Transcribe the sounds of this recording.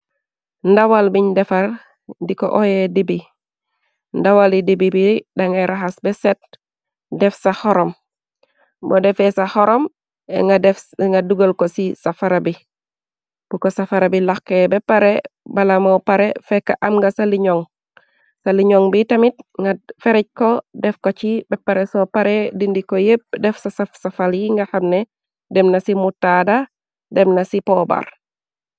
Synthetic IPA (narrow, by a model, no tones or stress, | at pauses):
ndawalbiɲdɛfal | diko̰ʔojedibi | ndawalidibibiidaŋeɾaɦasbɛsɛt̚ | dɛfsahɔɾɔm | bodɛfɛsahɔɾɔm̰ | dfŋɡaduɡolkosisafaɾabi | b̥ukosafaɾabilaxkːebɛpaɾebalamowpaɾɛfɛkːaʔɐmŋɡasaliɲɔŋ | saliɲɔŋbitɐmit̚ŋɡafɛɾɛc̚kɔdɛfkot͡ʃibɛpːaɾɛsɔpaɾɛdindikojep̚dɛfsasafsafaljiŋɡahamnɛ | dɛmnɐsimutːada | dɛmnasipɔba̰ɾ